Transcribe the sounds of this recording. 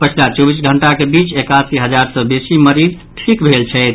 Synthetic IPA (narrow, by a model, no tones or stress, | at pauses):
pət͡ʃʰilat͡ʃobisɡʱəɳʈakebit͡ʃekasiɦəd͡ʒaɾsəbesiməɾid̪ | ʈʰikbʱelt͡ʃʰɛɪt̪